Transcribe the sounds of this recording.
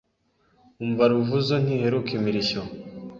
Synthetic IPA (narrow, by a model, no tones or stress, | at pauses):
uɱvaɾuvuzon̥hiheɾukimiɾiɕo